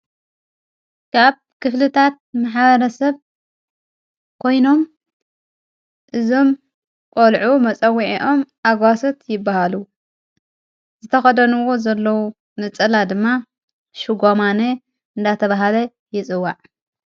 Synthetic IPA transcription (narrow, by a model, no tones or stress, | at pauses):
kʰaβ | kʰɨflɨt̪ʰat̪̚maħβɐɾɐsɐβ | kʰo̞jno̞m | ʔɨzo̞m | kʼolʕumɐt͡sʼɐwːiʕiʔo̞mʔaɡwasot̪jɪbːahalu | zɨt̪ʰɐxɐd̪ɐnuwo̞zɐlːɐwu | nɨt͡sʼɐlad̪ɨmːa | ʃuɡomane | ɨnd̪at̪ʰɐβaɦalɐ | jɪt͡sʼɨwːaʕ